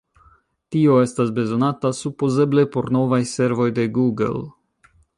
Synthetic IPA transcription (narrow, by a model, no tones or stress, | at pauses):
tio̞e̞stasbe̞zo̞natasupoze̞ble̞po̞ɾno̞vajse̞ɾvo̞jde̞ɡuɡḛl